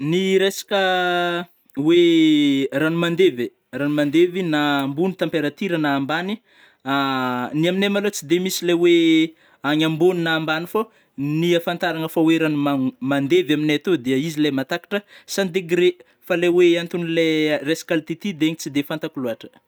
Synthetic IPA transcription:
niɾesḁkə | we | ranumand̪eve | ranumand̪evinambunit̪ampeɾat̪iɾənaːmbani | aniaminemalot͡sid̪emisilawe | aɲamboninaːmbanifo | niafant̪aɾaŋəfaweɾanumamand̪evamineat̪od̪eəizilemat̪akḁʈ͡ʂəsand̪eɡɾe | faleweant̪unileresḁkalit̪it̪id̪eɲit͡sid̪efant̪akuluaʈ͡ʂə̥

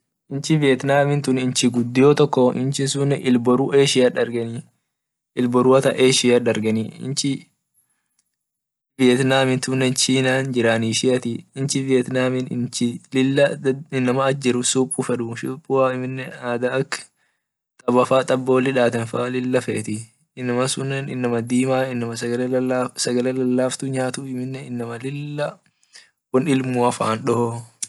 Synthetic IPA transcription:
ʔɪnt͡ʃɪvɪjɛt̪naːmɪnt̪ʊnɪnt͡ʃɪɡʊd̪ːɪjoːt̪ɔkːɔɪ̰nt͡ʃɪnsʊnːɛʔɪlbɔɾuːʔe̞ːʃɪjaᶑɐɾɡɐniː | ɪlbɔɾuːɐt̪ɐ̰ʔeːʃɪaᶑɐɾɡɐniɪ̰nt͡ʃɪ | vɪjɛt̪naːmɪnt̪ʊnːɛnt͡ʃiːnaːnd͡ʒɪɾaniːʃɪɐt̪ɪɪnt͡ʃɪvɪjɛt̪naːmɪnɪ̰nt͡ʃɪɪlːɐɪnːɐmɐːd͡ʒːɛɾʊsuːpʼːʊfɛᶑʊʃʊːpʼːʊaːɪmɪnːɛaːd̪ɐɐkː | t̪ʼɐbɐfaːt̪ʼɐbːo̞ːlɪᶑaːt̪ɐnfalɪlːɐfɛʔːt̪ɪ | ɪnːɐmɐsʊnːɛnɪ̰nːɐmɐd̪iːmaːɪnːɐmɐ | sɐɡɐlɛlɐlːaːft̪ʊɲaːt̪ʊɪmɪnːɛɪnːɐmɐlɪlːɐ | wɔnɪlmuːɐfa̰ːnɗɔhɔ

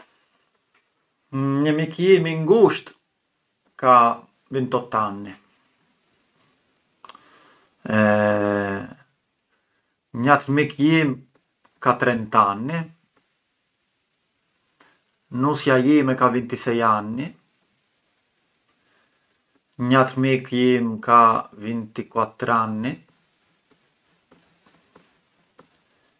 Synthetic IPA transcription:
ɲəmikjimiŋɡuʃt̪ | ka | vint̪ɔt̪anːi | ɛ | ɲat̪mikjim | kat̪ɾɛnt̪anːi | nusjajimɛkavint̪isɛjanːi | ɲat̪ɾmikjimkavint̪ikwat̪ɾanːi

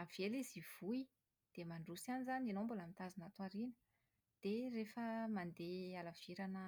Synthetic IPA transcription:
av̥eliziv̥ui | d̪̥emaɳɖ͡ʐusianizanenombulamint̪azinat̪waɾinə | d̪̥erefəmand̪ealav̥iɾanə

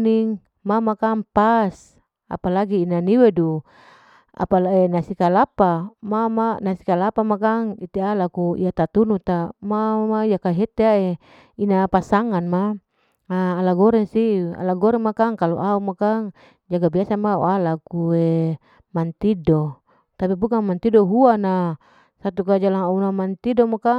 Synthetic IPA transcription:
niŋ | mamakaŋpas | a̰palaɡiːnaniwedu | a̰palaenasikalapamamanasikalapamakaŋit̪ialakuḭat̪at̪unut̪amamajakaɦet̪eae | inapasaŋanma | aːlaɡɔɾɛŋsia̰laɡɔɾɛŋmakaŋkalo̰ʔaumakaŋ | d͡ʒaɡabiasamao̰alakue | mant̪ido | t̪apibukaŋmant̪idoɦuana | sat̪ukad͡ʒalaŋaunamant̪idomoka

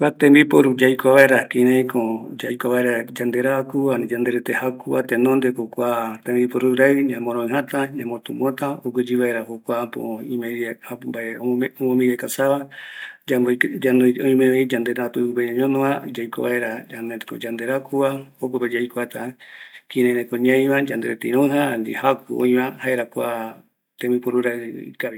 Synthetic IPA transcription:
kʷat̪ẽmbipoɾud͡ʒajkʷaβaeɾakĩɾẽĩkod͡ʒajkʷaβaeɾad͡ʒand̪eɾaakuad͡ʒand̪eɾet̪ehakua̰t̪ẽnõnd̪ekokʷat̪ẽmbipoɾuɾaɨɲãmõɾõẽɦãt̪aɲãmot̪umõt̪aoɡed͡ʒiβaeɾahokʷapo̰ĩmeabaeomõmiɾakasaβad͡ʒad͡ʒanõĩmeβeid͡ʒand̪eɾat̪upupeɲãɲõnõad͡ʒajko̰βa̰eɾaaneko̰d͡ʒand̪eɾakuaokoped͡ʒajkoat̪akiɾẽɾekõɲãj̃βãd͡ʒand̪eɾet̪eĩɾõɦand̪ḭhakuõ̰ĩβãhaeɾakʷa | t̪ẽmipoɾuɾaɨḭkaβi

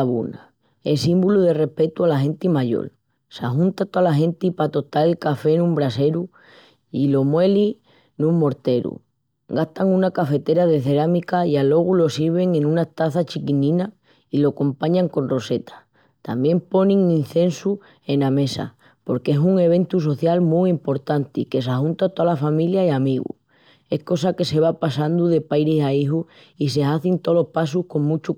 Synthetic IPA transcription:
ɣṵna | esimbuluðe̞re̞hpe̞t̪ualaɦe̞nt̪imaʎo̞̰l | sa̰ɦunt̪at̪oalaɦe̞nt̪ipat̪o̞t̪aɾelkafe̞nũmbɾase̞ɾu | ilo̞mwe̞li | nũmmo̞ɾt̪e̞ɾṵ | ɡaht̪aŋunakafe̞t̪e̞ɾaðe̞θe̞ɾamikaialo̞ɣ̞ulo̞siβ̞e̞ŋẽ̞nũnat̪aθat͡ʃikinĩna | ilo̞ko̞mpaɲaŋkõ̞nro̞se̞t̪ḁ | t̪a̰mbje̞mpo̞nĩŋĩn̟θe̞nsu | e̞name̞sa̰ | po̞ɾkesuŋe̞β̞e̞nt̪us̬o̞θjalmuimpo̞ɾt̪ant̪ike̞sahunt̪at̪oalafamiljaiamiɣṵ | e̞hko̞sake̞se̞β̞apasand̪uðe̞pajɾisaiɦu | is̬e̞aθint̪o̞lo̞hpas̬uhko̞ŋmut͡ʃu

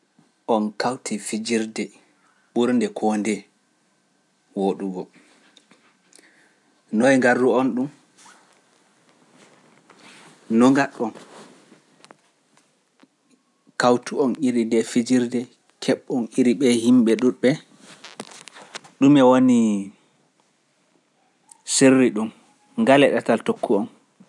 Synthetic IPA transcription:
ʔɔnkawtʰifid͡ʒiɾdɛ | ɓuɾndɛkʰɔndɛ | woɗuɡɔ | nɔɛŋɡarːuɔnɗum | nɔŋɡaɗːɔn | kawtuɔniɾindɛfid͡ʒiɾdɛ | kʰɛɓːɔniɾiɓɛhimɓɛɗuɓɛ | ɗumɛwoni | serːiɗum | ŋɡalɛɗataltokʰːuɔn

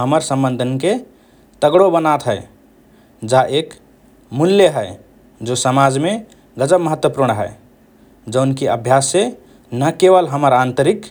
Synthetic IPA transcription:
ɦəməɾsə̃mbənd̪ʱənke | t̪əɡɽobənat̪ɦəɪ | d͡ʒaʔek | muljəɦəe | d͡ʒosəmad͡ʒme | ɡəd͡ʒəbməɦət̪wəpuɾɳ̃ɦə̰e | d͡ʒəʊnkeəbʱjasːe | nəkeβəlɦəməɾant̪əɾik

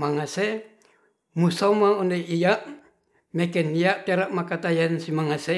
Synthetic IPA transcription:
maŋase | musamaɔndeʔijaʔ | mekɛnijaʔt̪eɾaʔmakat̪ajansimaŋase

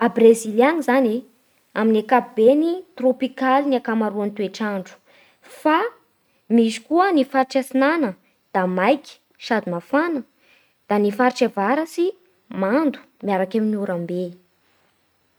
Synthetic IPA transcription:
abrezilianizane | aminekabenit̪ropikaliniakamaɾuant̪ueʈ͡ʂaɳɖ͡ʐu̥ | fa | misi̥kuənifaɾʈ͡ʂasinanə | d̪̥amajki̥ | ʃad̪imafanə | d̪̥anifaɾʈ͡ʂevaɾəsi | mand̪u̥miaɾakaminiuɾambe

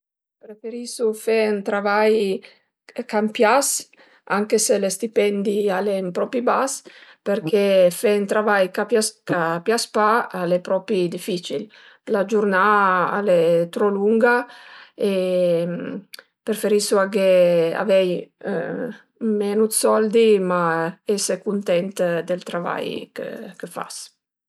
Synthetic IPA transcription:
pɾefeɾisufent̪ɾavaj | kampjas | aŋkeselest̪ipɛnd̪ialempɾɔpibaspeɾkefent̪ɾavajkapjaskapjaspaalepɾɔpid̪ifit͡ʃil | lad͡ʒurnaa̰let̪ɾɔluŋɡa | em | pɾefeɾisuakea̰vɛj | mɛnud̪sɔld̪imaɛsekunt̪ɛnt̪d̪elt̪ɾava̰jkə̰kəfa̰s

